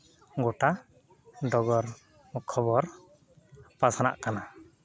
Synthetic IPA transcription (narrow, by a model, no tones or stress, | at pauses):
ɡɔʈa | ɖɔɡɔɾ | mkʰɔβɔɾ | pasana̰ʔkana